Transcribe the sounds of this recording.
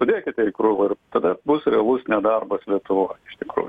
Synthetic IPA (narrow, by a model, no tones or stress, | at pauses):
ʊd̪ʲeːkʲɪt̪ʲɛkɾuːjʊɪrt̪ɐd̪ɐbʊsɾʲɛɐlˠʊsnʲɛd̪ɐrbɐslʲiɛt̪ʊʋoːjɪʃt̪ʲɪkɾṵːjʊ